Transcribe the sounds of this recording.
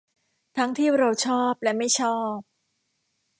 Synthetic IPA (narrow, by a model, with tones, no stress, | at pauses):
t̪ʰa˦˥ŋt̪ʰiː˥˩ɾa˧wt͡ɕʰɔː˥˩p̚lɛ˦˥ma˥˩jt͡ɕʰɔː˥˩p̚